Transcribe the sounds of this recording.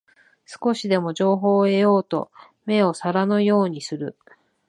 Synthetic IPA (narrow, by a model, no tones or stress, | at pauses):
sɨ̥ko̞ɕid̪e̞mo̞ʑo̞ːɦo̞ːe̞jo̞ːt̪o̞̰ | me̞o̞saɾanojo̞ːɲ̟isɨɾɯ̟